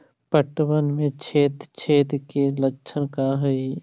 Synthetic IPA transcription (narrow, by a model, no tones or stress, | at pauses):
pəʈwənmẽt͡ʃʰeːt̪t͡ʃʰeːt̪keləkːʃʰənkaɦɛi